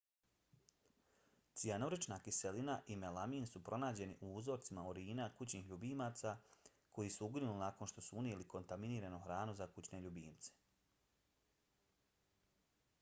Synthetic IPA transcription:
t̪sianoɾit͡ʃnaːkiselinaʔimelamiːnsupɾʔo̞naːd͡ʑe̞niʔuuzo̞ːɾt̪simaoɾiːnakut͡ɕniːxʎubiːmaːt̪saː | ko̞jisuuɡɾinulinako̞nʃt̪o̞suuniliko̞nt̪aminiːɾanuxɾaːnuzakut͡ɕne̞ʎubḭːnt̪se̥

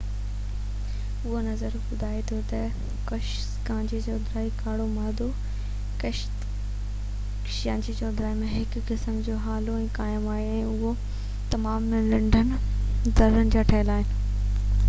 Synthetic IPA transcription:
ʊɦonɐzəɾbʊd̪ʱaːet̪ʰot̪ɐ | kɐʃ | kãːɲd͡ʑit͡ɕɔːd̪ɾaːikaːɽomaːd̪ʱo | kɐʃt̪ | kʃjãːd͡ʑit͡ɕɔːd̪ɾaːimẽɦɪkkɪsəmd͡ʑoːɦaːloɛ̃ːkaːɪmaːɦeɛ̃ːʊɦo | t̪ɐmaːmlɪ̃ɳɖʱənɪ̆ | d̪ɐɾənɪ̆d͡ʑaːʈʰɐɦɪlaːɦɪnɪ̆

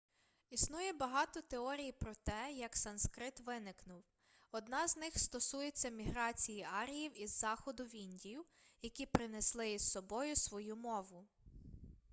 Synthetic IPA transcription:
isnujɛbɐɦɑt̪ɔt̪eɔɾʲijipɾɔt̪ɛjɐksɐnskɾɪt̪ʋɪnɪknʊw | ɔd̪nɑznɪxst̪ɔsujet͡sʲːɐmʲiɦɾɑt͡sʲijiɑɾʲijiwizːɑxɔd̪ʊʋʲinʲdʲijʊ | jɐkʲipɾɪneslˠɪissɔbɔjʊsʋɔjumɔʋʊ

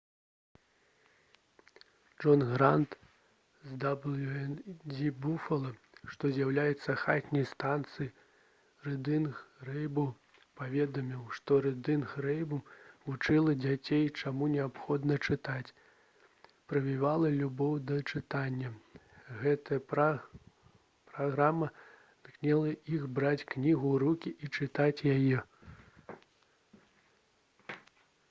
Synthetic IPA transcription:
ʐɔnɣɾant̪ | zd̪ablʲɛd͡zʲibufɐlˠɐ | ʂt̪ɔzʲjawlʲajɛt̪sːɐxat̪ʲnʲɐjst̪ant̪sɨji | rɨd̪ɨnxrɛjbu | pavʲɛd̪ɐmʲiwʂt̪ɔɾɨd̪ɨnxɾɛjbuvut͡ʂɨlˠɐd͡zʲat͡sʲejt͡ʂamunʲɛapxɔd̪nɐt͡ʂɨt̪at͡sʲ | pɾɐvʲivalˠɐlʲubɔwd̪ɐt͡ʂɨt̪anʲːɐ | ɣɛt̪ɐjɐp | pɾaɣɾamɐ | nknʲɛlˠɐiɣbɾat͡sʲknʲiɣuɾukʲiʔit͡ʂɨt̪at͡sʲjajɛ

